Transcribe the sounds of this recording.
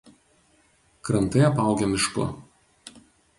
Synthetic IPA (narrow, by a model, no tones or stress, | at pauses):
kɾɐnt̪ɐɪɐpɑˑʊɡʲɛmʲɪʃkʊ̰